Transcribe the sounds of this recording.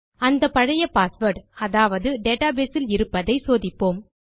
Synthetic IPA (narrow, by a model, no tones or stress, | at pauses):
ɐnd̪ɐpɐɻɐjɐpaːsʋɐɾɖɐðaːʋɐðɯɖeːʈaːbeːsɪlɪɾɯpːɐðɐɪsoːðɪpːoːm